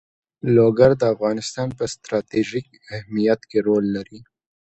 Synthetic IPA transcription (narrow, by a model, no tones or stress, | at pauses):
loɡaɾd̪əafɣɑːnɪst̪ɑːnpəst̪ɾɑt̪iʒik | ahmijɐt̪keɾoːlːɐɾi